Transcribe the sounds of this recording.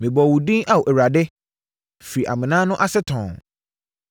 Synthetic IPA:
mĩ˨bɔ˨wu˨dĩ˦ʔa˦wo˨ɛ˨wɾa˨dɪ˦ | fi˨ɾi˨ʔa̰˨mɪ̃˨nãː˦nʊ̃˦ʔa˦sɛ˦tʰɔ̃˨ŋ

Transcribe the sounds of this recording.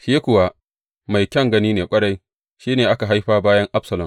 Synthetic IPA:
ʃiː˦kʷʊ˨wa˦ | ma˨jkʲɐ˦ŋɡɐ˦niː˦neː˨kʷʼɐ˦ɽa˦j | ʃiː˦neː˨ʔa˦ka˨ɦa˦jɸaː˦baː˦jɐ˦ŋʔa˦bsɐ˨lɐ˨m

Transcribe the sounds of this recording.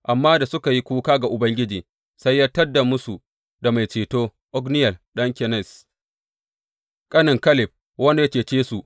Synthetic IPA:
ʔa˨mːaː˦da˨sʊ˦ka˨ji˦kʷuː˦kaː˦ɡa˨ʔʊ˨bɐ˦ŋɡʲɪ˦d͡ʒiː˨ | sa˦jːaː˦tɐ˦dːa˨mʊ˦su˨ | da˨ma˨jt͡ʃeː˨toː˦ | ʔɔ˦ɡnɪ˦jɐ˨lɗɐ˦ŋkʲɛ˨nɛ˦˨s | kʼɐ˦nɪ˨ŋkɐ˦lɪ˨p̚ | wɐ˦n˨ja˦t͡ʃeː˨t͡ʃeː˦su˨ʔ

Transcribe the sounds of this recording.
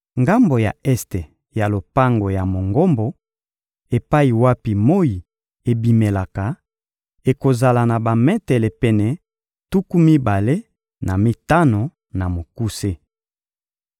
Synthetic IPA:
ŋɡa˦mbo˨ja̰˨ɛ˦ste˨ | ja˨lo˨pa˦ŋɡo˨ja˨mo˨ŋɡo˦mbo˨ | e˨pa˦i˨wa˦pi˨mo˦ji˨ | e˨bi˨me˨la˨ka˨ | e˨ko˨za˨la˨na˨ba˨mɛ˦tɛ˨le˨pɛ˨nɛ˨ | tu˦ku˦mi˦ba˨le˦ | na˨mi˦ta˦no˨ | na˨mo˨ku˦se˦

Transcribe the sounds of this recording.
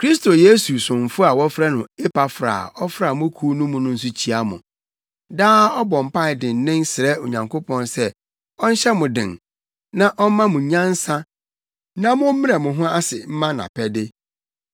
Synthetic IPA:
kʰɾi˦sto˨je˦su˨sʊ̃˨m̩˨fʊ˦a˨wɔ˦fɾɛ˦nʊ̃˨e˦pa˨fɾa̰˨ɔ˦fɾa˨mʊ̃˦kʰu˦nʊ̃˦mʊ̃˨nʊ̃˦n̩˦s̬ʊ˦t͡ɕʰi˦a˦mʊ̰̃˨ | daː˦ɔ˦bɔ̃˨m˨pa˦ɪ˨dɪ̃˨n˦nːɪ̃˦nsɪ˨ɾɛ˦o˨ɲã˨ŋkʰo˦pʰɔ̃˦nsɛ˦ | ɔ˦n̩˦ɕɛ˦mʊ̃˨dɪ̰̃˨n | nã˦ʔɔ˦m˦mã˦mʊ̃˨ɲã˦n̩˦sã˦ | nã˦mʊ̃˦mĩ˦ɾa˨mʊ̃˨ɦʊ̃˦a˦sɪ˨m̩˦mã˦nã̰˨pʰɛ˦dɪ˦

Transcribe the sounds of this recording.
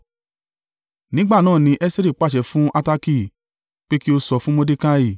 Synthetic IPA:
nĩ˨˦ɡ͡ba˦˨nãː˦˨nĩ˧ʔɛ˦si˦ɾi˦˨k͡pa˦˨ʃɛ˧˨fũ˦ʔa˧ta˧ki˦˨ | k͡pe˦ki˦o˧sɔ˧fũ˦mo˦de˦ka˦i˦˨

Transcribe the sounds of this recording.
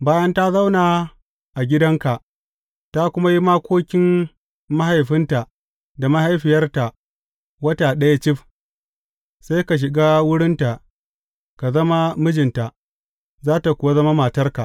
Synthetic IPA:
baː˦jɐ˦nta˦za˦wnaː˨ | ʔa˨ɡʲɪ˦dɐ˦ŋka˨ʔ | ta˦kʷʊ˦ma˦ji˦maː˦kʷoː˦kʲɪ˦m | ma˦ha˨jɸɪ˦nta˨ | da˨ma˦ha˦jɸɪ˨jɐ˦rta˨ʔ | wɐ˦taː˨ɗɐ˦ja˦t͡ʃɪ˦ɸ | sa˦jka˨ʃ̬ɪ˨ɡaː˦wʊ˦ɽɪ˦nta˨ʔ | ka˨zɐ˦ma˦mʊ˦d͡ʒɪ˨nta˨ | zaː˦ta˨kʷʊ˨wa˦zɐ˦ma˦maː˨tɐ˦rka˨ʔ

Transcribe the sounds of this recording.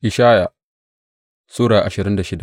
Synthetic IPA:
ʔɪ˨ʃaː˦ja˨ | suː˦ɽaː˨ʔa˨ʃɪ˨ɾɪ˦nda˨ʃɪ˦da˨ʔ

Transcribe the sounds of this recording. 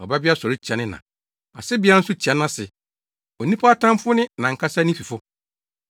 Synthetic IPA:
ɔ̰˨ba˦bɪ˦a˦sɔ˨ɾɪ˦t͡ɕʰa˨nɪ̃˦nã̰˨ | a̰˨sɛ˦bɪ˨˦a˦n̩˦sʊ˦t͡ɕʰa˨nã˦sɪ˨ | o˨nĩ˦pʰa˦a˦tʰã˦mfʊ˦nɪ̃˦nã˨ŋ̩˨kʰa˦sa˦nĩ˦fi˨fʊ˦

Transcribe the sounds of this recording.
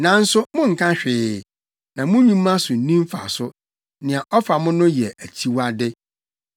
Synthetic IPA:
nã˨n̩˦sʊ˦mʊ̃˦ŋ̩˨kʰã˦ɕᶣɪ˨ | nã˨mʊ̃˦ɲũ˦mã˦sʊ˨n̩˦nĩ˦m˦fa̰˨sʊ˦ | nɪ̃˨a˨ʔɔ˦fa˨mʊ̃˦nʊ̃˦jɛ˨ʔæ˨t͡ɕʰi˦wa˦dɪ˦

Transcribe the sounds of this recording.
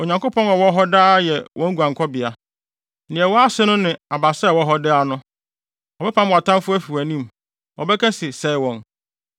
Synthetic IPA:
o˨ɲã˨ŋko˦pʰɔ̃˦nɔ˨wɔ˦ɦɔ˦daː˦jɛ˨wʔɔ̃˨˦ŋ̩˦ɡu˨ã˨ŋ˨kʰɔ˦bɪ˨a˨ | nɪ̃˨ɛ˨wɔ˦a˦sɪ˦nʊ̃˦nɪ̃˨a˨ba˨sɛ˦˨wɔ˦ɦɔ˦dɪ˦a˨nʊ̃˦ | ɔ˨bɛ˦pʰã˦m˨a˨tʰã˦mfʊ˦æ˦fu˨æ˨nĩ˦m | wɔ˨bɛ˦kʰɛ˦sɪ˨sɛ˨˦ɪ˦wɔ̃˨n

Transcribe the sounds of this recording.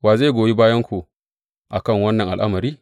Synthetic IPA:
waː˨zeː˦˨ɡʷoː˨ji˦baː˦jɐ˦ŋkʷu˨ | ʔa˨kɐ˦˨ŋwɐ˦nːɐ˨ŋʔa˨lʔa˦mɐ˨ɾiː˦

